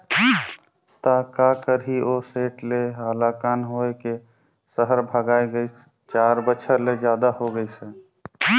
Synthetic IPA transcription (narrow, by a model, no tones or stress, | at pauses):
t̪akakəɾɦioseʈleɦəlakanɦoeke | səɦəɾbʱəɡaːeɡəjs | t͡ʃaɾbəːt͡ʃʰəɾled͡ʒjad̪ahoɡəjsɛ